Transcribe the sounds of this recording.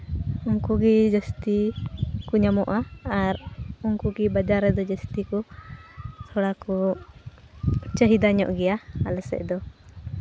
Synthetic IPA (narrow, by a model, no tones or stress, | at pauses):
uŋkuɡid͡ʒəst̪ikuɲamɔʔaːɾuŋkuɡibad͡ʒaɾɛd̪ɔd͡ʒəst̪iku | sʰɔɽaku | t͡ʃəɦid̪aɲɔ̰ʔɡɛjaalɛsɛ̰ʔd̪ɔ